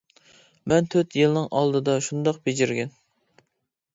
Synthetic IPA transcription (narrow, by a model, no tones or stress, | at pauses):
mɛnt̪ʰøt̪jɨlˠnɨŋʔɑlˠd̪ɨd̪ɑʃund̪ɑqbed͡ʒɪɾɡʲɛn